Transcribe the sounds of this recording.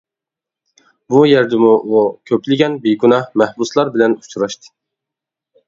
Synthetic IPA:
bujæɾd̪ɪmuʔukʲʰøpʰlɪɡʲɛnbiɡunɑhmæhbuslˠɑɾbɪlɛnu̥t͡ʃʰuɾɑʃt̪ʰɨ̥

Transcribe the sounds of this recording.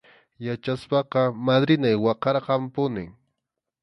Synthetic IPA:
jat͡ʃaspɑqɑmad̪ɾɪnajwɑqɑɾqɑmpʊnɪ̰ŋ

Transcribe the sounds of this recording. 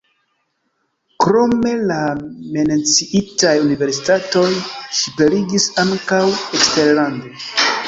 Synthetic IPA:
kɾo̞me̞lamenet͡siʔitajunive̞ɾsi̥tato̞jʃipe̞ɾiɡisaŋkawekste̞ɾlando̞

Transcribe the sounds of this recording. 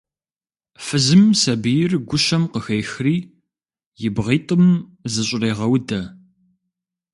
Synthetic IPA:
fɨzɨmsɐbɨjɪrɡʷʊʃɐmqəxejxriː | jɪbʁiːtʼəmzɨɕʼɪreːʁɐwdɐ

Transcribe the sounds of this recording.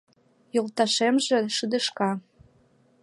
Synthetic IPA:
jolt̪ɑʃemʒĕʃɯd̪ə̆ʃkɑ

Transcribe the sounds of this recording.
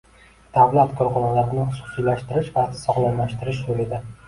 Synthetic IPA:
d̪̥avlat̪kʰɒɾχɒnɒlaɾɪnɪχʊsʊ̥sijlaʃt̪ɪɾɪʃvasɒχlˠanlaʃt̪ɪɾɪʃj̪olɪd̪a

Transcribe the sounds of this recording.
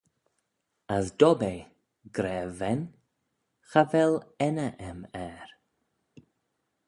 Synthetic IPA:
asdɔbe | ɡɾɛːvɛn | xavɛlɛnəʔɛmɛɾ

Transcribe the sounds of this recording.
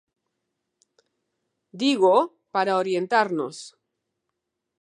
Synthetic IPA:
d̪iɣo | paɾaoɾje̞nt̪aɾno̰s

